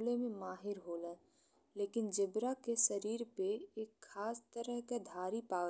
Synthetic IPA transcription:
lemẽmaːɦɪɾɦoːlɛ̃ː | leːkɪnd͡ʒɪbɾakeʃəɾiːɾpeeːkxʰaːst̪əɾəɦked̪ʱaːɾipaː

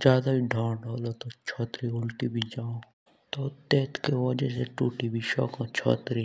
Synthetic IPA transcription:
d͡ʒjaːd̪abʱiɖʱãːʈolot̪ot͡ʃʰɔːt̪ɾiʊlʈ̪ibʱid͡ʒaːõ | t̪ot̪eːt̪keʋɐd͡ʒeseʈuːʈibʱiʃɔ̰ːkãt͡ʃʰɔ̰ːt̪ɾi

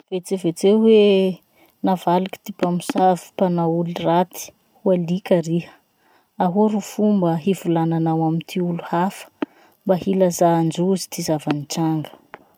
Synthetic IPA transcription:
v̥et͡sevet͡sewe | navaliki̥t̪ipamisavi̥panaulirat̪i̥ | hualikʲaɾihə̥ | aɦuɾufumbəɦivulananawamit̪ʰiuluhafə̥ | mbahilazaːnd͡ʒuzi̥t̪izavanit͡saŋɡə̥

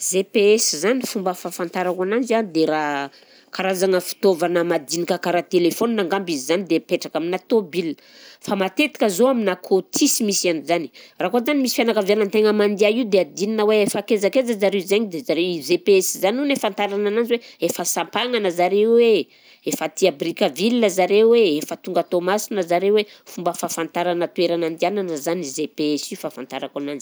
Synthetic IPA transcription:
zepeesizanifumbəfafant̪aɾakanand͡ʒanid̪eɾa | kaɾazaŋəfi̥t̪ovanəmad̪inikakaɾat̪elefoninaŋɡambizizanid̪epeʈ͡ʂakaminat̪obil | famat̪et̪i̥kəzoaminakʰot̪ʰisimisianizani̥rakozanimisi̥fjanakəvjanant̪eŋəmand̪iaiud̪ead̪ininəweefakezakezəzaɾeuzeɲid̪ezaɾewizepeesizanunefant̪aɾananand͡ʒweefəsampaŋanəzaɾewe | efət̪iabrikəvilnəzaɾeweefət̪uŋɡat̪omasinəzaɾewe | fumbəfafant̪aɾanət̪ueɾanand̪iananəzanizepeesiufafant̪aɾakanand͡ʒi

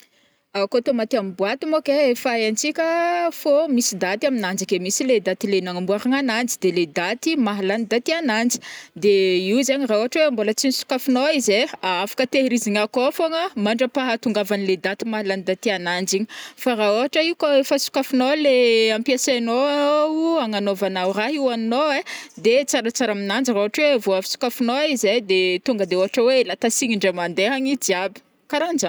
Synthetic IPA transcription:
akot̪omat̪iamibwat̪imokeefaant͡sikʲəfomisid̪at̪iaminand͡ʒikemisiled̪at̪ilenaŋambuaɾaŋanand͡zid̪eled̪at̪imaɦalanid̪at̪ianand͡zi̥d̪eiuzeɲiɾaoɦaʈ͡ʂweambolət͡sinisu̥kafinoizeaafḁkət̪eɾiziɲakofoŋəmaɳɖ͡ʐəpaɦat̪uŋɡavaniled̪at̪imaland̪at̪eanand͡ʒiɲifaɾaoɦaʈ͡ʂəiukaefəsu̥kafinoleampiasanoawuaŋanovanawraɦiwannoed̪et͡saɾat͡saɾaminand͡ʒraoɦaʈ͡ʂwevoafi̥su̥kafinoaized̪et̪uŋɡəd̪eoɦaʈ͡ʂəwelat̪asiɲiɳɖ͡ʐəmand̪eɦaɲid̪iabi̥ | kaɾand͡ʒə

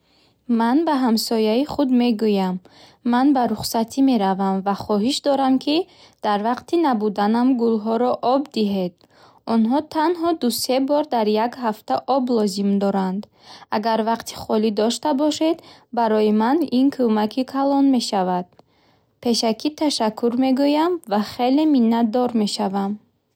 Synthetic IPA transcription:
manbaɦamsɔjaiχud̪me̞ɡujamː | anbaɾuχsat̪ʰime̞ɾavamvaχɔɦiʃd̪ɔɾamkʰi | d̪̥aɾvaqt̪inabud̪anamɡulɦɔɾɔʔɔbd̪iɦe̞d̪ | ɔnɦɔt̪ʰanɦɔd̪use̞bɔɾd̪aɾjaɡɦaft̪aʔɔblɔzimd̪ɔɾand̪ | aɡaɾvaqt̪ʰi̥χɔlid̪ɔʃt̪abɔʃe̞d̪baɾɔjimaninkʰumakʰikʰalɔnme̞ʃavad̪̥̚ | pʰe̞ʃakʰit̪ʰaʃakʰːuɾme̞ɡujamvaχe̞leminːad̪ɔɾme̞ʃavam

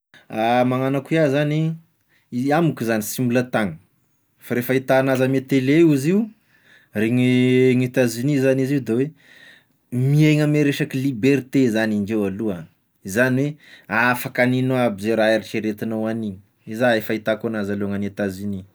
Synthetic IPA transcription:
amaŋanakuiazani | amukizanisimulət̪aŋə̥ | faɾefait̪anazəmet̪eleuziu | reŋŋet̪azinizaniziud̪ewe | mieŋəmeɾeʃakilibeɾt̪ezaniŋd͡ʒewalua | izaniweafakaninoabizeɾaeɾit͡ʃeɾet̪inawaniɲə̥ | izaefait̪akonazaluaŋanet̪azini

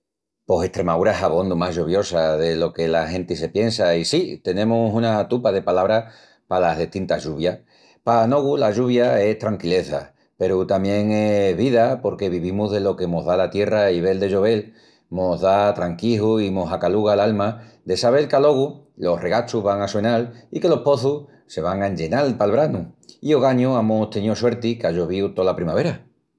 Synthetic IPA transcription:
po̞se̞ht̪ɾe̞maðuɾaeɦaβo̞nd̪umaɦʝoβjo̞saðe̞lo̞ke̞laɦẽ̞nt̪ise̞pje̞nsaisit̪e̞nẽ̞musunat̪upað̞e̞palaβɾa | palaɦðeht̪int̪aɦʝuβja | pano̞ɣulaʝuβjae̞st̪ɾaŋkile̞θa̰ | pe̞ɾut̪amje̞ŋe̞ɦβiðapo̞ɾke̞β̞iβimuɦðe̞lo̞ke̞mo̞ɦðalat̪je̞raiβe̞ld̪e̞ʝo̞βe̞l | moðat̪ɾaŋkiɦuimo̞sakaluɣalalmad̪e̞saβ̞e̞lkalo̞ɣu | lo̞re̞ɣat͡ʃuɦβaŋaswe̞nalike̞lo̞hpo̞θu | se̞βaŋaeɲd͡ʒe̞nalpalβɾanuio̞ɣaɲuamost̪enioswe̞ɾt̪ikaʝoβ̞iut̪o̞lapɾimaβe̞ɾa

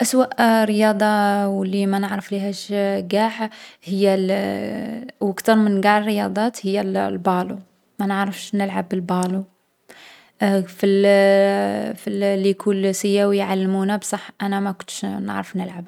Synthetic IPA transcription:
ʔaswaʔɾəjɑːd̪ˤɑwəlːimænəʕɾəflihæʃɡaːħhɪjːæ | wakt̪ɑɾˤmənɡaʕrːəjɑd̪ˤɑːt̪hɪjːælbɑːlṵ | mænəʕɾəfʃnəlʕabɪlbɑːlu | fil | fillːijkʰulsɪjːawjʕalːmunabsˤɑħʔanæmækʊnt̪ʃnə̰ʕɾəfnəlʕab

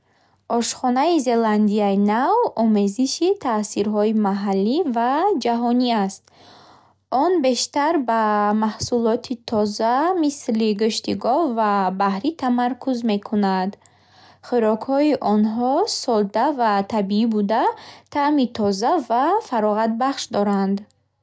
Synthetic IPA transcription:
ʔɔʃχɔnaize̞land̪iainavɔme̞ziʃit̪ʰasiɾɦɔimaɦalːivad͡ʒaɦɔniast̪ | ʔɔnbe̞ʃt̪aɾbamahsulɔt̪ʰit̪ʰɔzamisliɡuʃt̪iɡɔvabahɾit̪ʰamaɾkʰuzme̞kʰunad̪ | χiɾɔkhɔiʔɔnɦɔsɔld̪avat̪ʰabiibud̪at̪ʰamit̪ʰɔzavafaɾɔʁat̪̚baχʃd̪ɔɾand̪

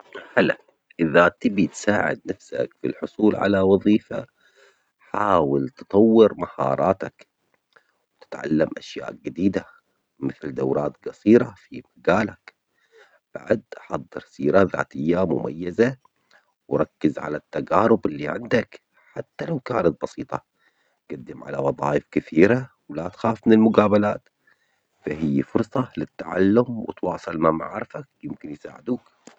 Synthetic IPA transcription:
ħala | ʔɪðat̪ɪbit̪saːʕɪ̰d̪̚nafsa̰kfḭlħʊsˤuːlʕa̰lawɑðˤiːfa̰ | ħaːwɪlt̪ɨ̥t̪ˤɑwːɪɾmahɑ̰ːɾˤʔɑːt̪ak | wt̪ɪ̥t̪ʕa̰lːamʔaʃja̰ːʔɡɪd̪iːd̪a | mɪθld̪awɾˤɑːt̪ɡɑsˤiːɾɑfimaɡaːlak | b̥a̰ʕd̪ʔɑħɑd̪ˤːɨɾsiːɾaða̰ːt̪ɪjːamʊ̰mʔa̰jːaza | wɾˤɑkːɪzʕa̰lat̪ːaɡaːɾʊbɪlːiʕɪ̰nd̪ak | ħat̪ːalawkaːnat̪̚bɑsiːt̪ˤɑ | ɡ̥ad̪ːɪmʕa̰lawɑðˤɑːjɪfkɪθiːɾa | wlat̪xaːfmɪnɪlmʊɡaːbalaːt̪ | faɦɪjːfʊɾsˤɑlɪt̪ːaʕa̰lːʊmwɪ̰t̪wɑːsˤɨlmama̰ʕɾɪfak̚jɪmkɪnjsa̰ːʕɪd̪uːk

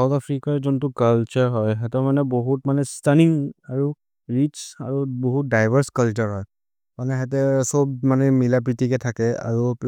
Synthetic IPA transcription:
sawtapʰɹikaɹzɔntʊkalt͡ʃɔɹɦɔjɦɛtɔmanɛboɦutmanɛstaniŋaɹu | ɹit͡ʃaɹuboɦut̚dajbʱəɹskalt͡ʃɔɹɦɔj | manɛɦɛt̬ɛsɔbmanɛmilap̬ɹitʰikɛtʰakɛa̰ɹu

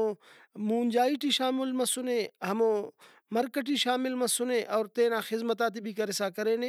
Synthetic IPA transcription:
o | muːnd͡ʒaːiʈiʃaːmɪlmɐsʊnẽːɦɐmõː | mɐɾkəʈiʃaːmɪlmɐ̃sʊnẽːʔɔːɾt̪ẽːnãːxɪzmət̪aːt̪̬ibʱikɐɾɪsaːkɐɾẽːnẽː

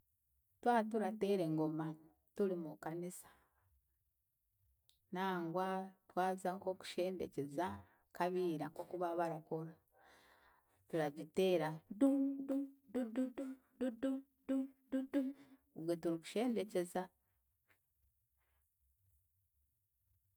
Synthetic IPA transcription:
twaːtuɾateːɾe̞ŋɡoma | tuɾimukanisḁ | naːŋɡwatwaːzaŋko̞ku̥ʃe̞ːnde̞̰ceza | kaβiːɾakokuβaβaɾakoɾa | tuɾaɟiteːɾadududududu | dudu | dududuβwetuɾiku̥ʃe̞ːnde̞ce̞za

